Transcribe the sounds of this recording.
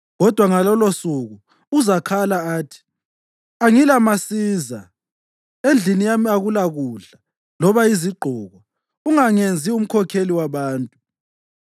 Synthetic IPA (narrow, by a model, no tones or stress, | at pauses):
ɣɔd̥ʱwaŋalɔlosuɣu | uzakʰalaaːtʰi̥ | aŋilamasiːza̰ | end͡ɮʱinijamiaɣulaɣuːɮa | lɔβaiziɡ͡ǃʱɔːɣɔ | uŋaŋend͡zʱium̩kʰɔkʰeliwaβaːntʼu